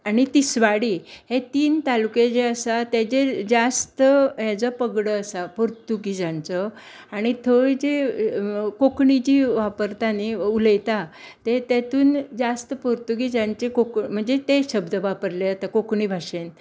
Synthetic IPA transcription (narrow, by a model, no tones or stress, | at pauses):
aɽ̃it̪isʋaɽiːɦet̪iːnt̪aluked͡ʑeəsat̪ed͡ʑed͡zast̪əɦjat͡səpəɡɽəəsapoɾt̪uɡid͡zãnt͡sə | aɽ̃it̪ʰəd͡ʑe | kokɳid͡ʑiːʋapəɾt̪aneuləjt̪a | t̪et̪ɛt̪uːnd͡zast̪əpəɾt̪uɡid͡ʑant͡ɕekokm̤əɳd͡zet̪eɕəbd̪əʋapəɾleat̪akokɳibʱaʂen